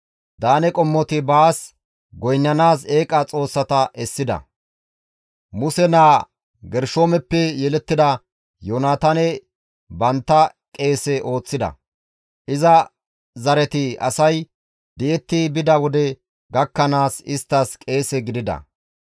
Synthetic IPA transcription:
d̪aːnɛkʼɔmːɔt̪ɪbaːs | ɡɔjnːɐnaːseːkʼɐt͡sʼo̞ːsːɐt̪ɐʔɛsːɪd̪ɐ̰ | mʊsɛnaː | ɡɛɾʃoːmɛpːɛjɛlɛt̪ːɪd̪ɐ | joːnaːt̪ɐnɛ | bɐnt̪ːɐ | kʼe̞ːsɛʔo̞ːt͡sːɪd̪ɐ̰ | ʔɪzɐ | zɐɾɛt̪ɪɐ̰sɐj | d̪ɪʔɛt̪ːɪbɪd̪ɐwɔd̪ɛ | ɡɐkːɐnaːsɪst̪ːɐskʼe̞ːsɛɡɪd̪ɪd̪ɐ̰

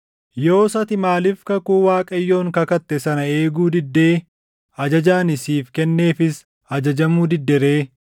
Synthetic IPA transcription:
jo̞ːsɐt̪ɪmaːlɪfkɐkuːwaːkʼɐjːo̞ːŋkɐkɐt̪ːɛsɐnɐe̞ːɡuːd̪ɪd̪ːe̞ː | ɐd͡ʒɐd͡ʒaːnɪsiːfkɛnːe̞ːfɪs | ɐd͡ʒɐd͡ʒɐmuːd̪ɪd̪ːɛɾeː

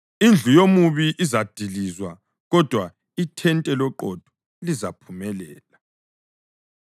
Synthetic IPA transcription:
ind͡ɮʱujomuβiʔizad̥ʱilizwa | ɣɔd̥ʱwa | itʰɛntʼɛlɔǃɔd̥ʱɔ̥ | lizapʰumɛlɛ̰ːla

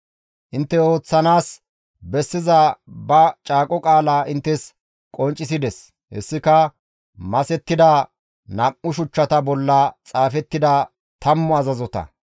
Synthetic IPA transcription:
ʔɪnt̪ːɛo̞ːt͡sːɐnaːs | bɛsːɪzɐbɐt͡ʃʼaːkʼɔkʼaːlaːʔɪnt̪ːɛs | kʼɔnt͡ʃʼːɪsɪd̪ɛs | hɛ̰sːɪkɐ | mɐsɛt̪ːɪd̪ɐ | nɐʔːʊʃʊt͡ʃːɐt̪ɐbɔlːɐt͡sʼaːfɛt̪ːɪd̪ɐ | t̪ɐmːɔɐzɐzɔt̪ɐ̰

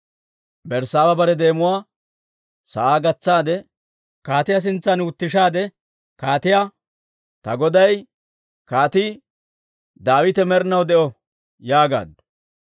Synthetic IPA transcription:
bɛɾsaːwɐbɐɾɛd̪e̞ːmʊwaː | sɐʔaːɡɐt͡sːaːd̪ɛ | kaːt̪ɪjas̬ɪnt͡sːɐnʊt̪ːɪʃaːd̪ɛ | kaːt̪ɪja | t̪ɐ̰ɡɔd̪ɐj | kaːt̪i | d̪aːwɪt̪ɛmɛɾnɐwd̪ɛʔɔ | jaːɡa̰ːd̪ʊ̥

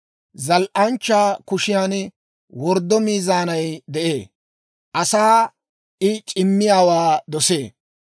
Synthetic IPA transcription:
zɐlʔɐnt͡ʃːaːkʊʃɪjaːn | wɔɾd̪ːɔmiːzaːnɐjd̪ɛʔeː | ʔɐsaː | ʔɪt͡ʃʼɪmːɪjaːwaːd̪ɔseː

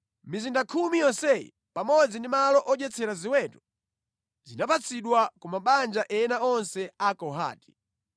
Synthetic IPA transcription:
mizindakʰumijɔnsɛjḭ | pamɔd͡zindimalɔʔɔd͡ʒɛt͡sʰɛɾaziwɛtu̥ | zinapat͡sʰiɗwakumaɓand͡ʒaʔɛɛnaɔnsɛakɔɦa̰ːti̥

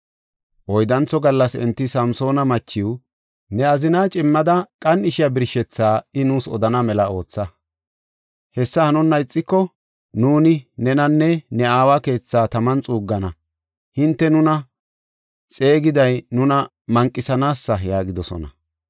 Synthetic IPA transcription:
ʔɔjd̪ɐnt͡sːɔɡɐlːɐsɛ̰nt̪ːɪsɐmso̞ːnɐmɐt͡ʃːɪw | nɛɐzɪnaːt͡ʃʼɪmːɐd̪ɐkʼɐnɪʃɪjɐbɪɾʃɛt͡sːaːɪnuːsɔ̰d̪ɐnɐmɛlɐo̞ːt͡sːɐ | hɛsːɐhɐnʊnːɐɪt͡sʼːɪkːɔ | nuːnɪnɛnɐnːɛnɛaːwaːke̞ːt͡sːaːt̪ɐmɐnt͡sʼuːɡːɐnɐ | hɪnt̪ːɛnʊnɐ | t͡sʼe̞ːɡɪd̪ɐjnʊnɐ | mɐŋkʼːɪsɐnaːsːɐjaːɡɪd̪ɔsɔ̰nɐ̰

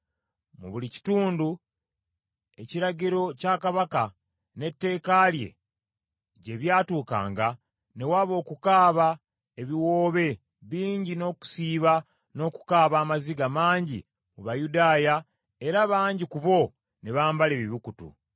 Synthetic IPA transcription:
mṵβulici̥tuːndu | e̞ciɾaɟiɾo̞caːkaβaka | ne̞tːe̞ːkalje̞̰ | ɟe̞βjaːtuːka̰ːŋɡa | ne̞waːβo̞ːkukaːβa | eβiwo̞ːβe̞ | βiːɲɟino̞ːku̥siːβa | no̞ːku̥kaːβaːmaziɡamaːɲɟḭ | muβajudaːja | e̞ɾaβaːɲɟikuβo̞ | ne̞βaːmbale̞βiβikutṵ

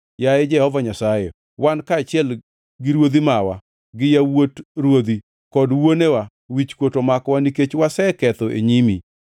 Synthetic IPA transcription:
jaed͡ʒɛhɔvaɲasaje | wankaːt͡ʃɪɛl | ɡɪɾwod̪imawa̰ | ɡɪjawotɾwod̪i | kɔdwonewa | wit͡ʃkwotomakwaniket͡ʃwasɛkɛt̪ɔʔḛɲimi

